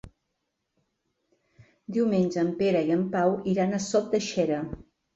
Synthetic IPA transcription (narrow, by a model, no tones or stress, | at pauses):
d̪iwmenʲd͡ʒəːmpeɾəiəmpawiɾanəsɔt̪̚d̪əʃɛɾə